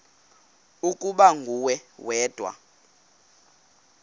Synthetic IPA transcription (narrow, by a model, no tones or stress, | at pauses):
ukʼuɓaŋʱuwɛwɛːd̥ʱwa̰